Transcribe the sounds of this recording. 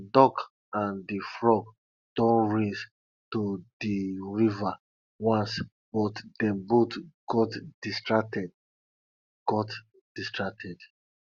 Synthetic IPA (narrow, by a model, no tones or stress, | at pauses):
dɔk | ãndifɹɔɡ | d̥õnɹis | tudiɹiva | wãns | b̥ɔtdɛ̃mbotɡ̥ɔtd̥istɹak̚tɛd | ɡ̥ɔt | d̥istɹak̚tʰɛd̥